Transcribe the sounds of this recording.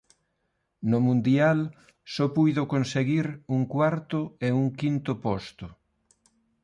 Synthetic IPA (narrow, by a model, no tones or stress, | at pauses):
nʊmũnd̪jal | sɔpujðʊkonseɣiɾuŋkwaɾt̪ʊeuŋkint̪ʊpɔst̪ʊ